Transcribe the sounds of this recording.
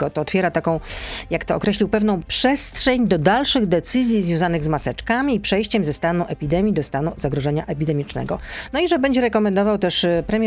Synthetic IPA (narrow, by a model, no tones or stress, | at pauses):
ɔt̪ɔːt̪fʲjɛɾat̪akɔ̃w̃jakt̪ɔːkɾɛɕʲlʲiwpɛvn̪ɔ̃w̃pʂɛst̪ʂɛɲd̪ɔd̪alʂɘɣd̪ɛt̪sɘzʲjizvʲjɔ̃w̃zanɘɣzmasɛt͡ʂkamʲiːpʂɛjɕt͡ɕɛmzɛst̪anuʔɛpʲid̪ɛmʲjid̪ɔst̪anuzaɡɾɔʐɛɲaʔɛpʲid̪ɛmʲit͡ʂnɛ̰ɡɔnɔiʐɛbɛɲd͡ʑɛɾɛkɔmɛnd̪ɔvawt̪ɛʂpɾɛmʲjɛ